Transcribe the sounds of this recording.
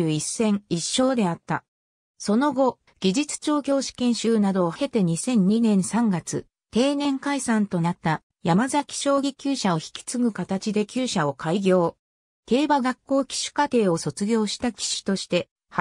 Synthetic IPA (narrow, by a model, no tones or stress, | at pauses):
ɯːisːẽ̞ŋiɕːo̞ːd̪e̞at̪ːa̰ | so̞no̞ɡo̞ | ɡ̥ʲiʑit͡sɨ̥t͡ɕo̞ːkʲo̞ːɕi̥kẽ̞ɰ̃ɕɨːnad̪o̞ːhe̞t̪e̞ɲ̟isẽ̞ɲ̟ːinẽ̞ɰ̃sãŋɡat͡sɨ | t̪e̞ːnẽ̞ŋkaisãnt̪o̞nat̪ːa | jamazakʲi̥ɕo̞ːɡʲikʲɨːɕaoçi̥kʲi̥t͡sɨɡɯ̟kat̪at͡ɕid̪e̞kʲɨːɕao̞kʰaiɡʲo̞ː | t̪e̞ːbaɡakːo̞ːkʲi̥ɕɨ̥kat̪e̞ːo̞so̞t͡sɨɡʲo̞ːɕi̥t̪akʲi̥ɕi̥t̪o̞ɕi̥t̪e̞ | h